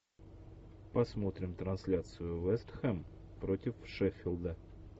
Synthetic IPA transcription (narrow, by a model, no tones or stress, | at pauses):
pɐsmo̞t̪ɾʲɪmt̪ɾɐnsʲlʲat̪sɨjʊvɛst̪xɛm | pɾotʲɪfʂɛfʲɪlˠd̪ə